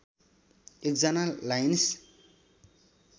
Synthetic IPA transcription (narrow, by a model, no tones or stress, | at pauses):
ek̚d͡zʌnalajns